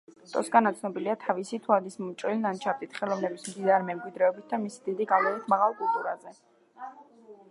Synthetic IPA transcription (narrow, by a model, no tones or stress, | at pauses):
t̪ʼɔsɡanat̪sʰnɔbiliat̪ʰavisit̪ʰuad̪ismɔmt͡ʃʼɾilnant͡ʃʰavd̪it̪ʰχɛlˠɔvnɛbismd̪inaɾimɛmkʼwid̪ɾɛɔbit̪̚ʰd̪amisid̪id̪iɡavlɛɾit̪ʰmaʁalˠkʼulˠt̪ʼuɾazɛ